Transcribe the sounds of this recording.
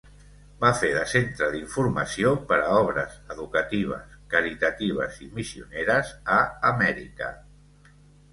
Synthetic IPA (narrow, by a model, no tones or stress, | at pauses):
bafeðəsent̪ɾəðiɱfuɾməsiopəɾəɔβ̞ɾəzəðukət̪iβ̞ə̰skəɾit̪ət̪iβ̞ə̰zimisiuneɾəzəːmɛɾḭkə̰